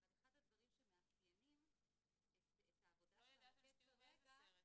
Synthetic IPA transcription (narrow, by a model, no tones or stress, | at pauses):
avaleχadhad̪vaʁimʃemeaχjemim | e | et̪haːvo̞daʃelakeseʁeɡa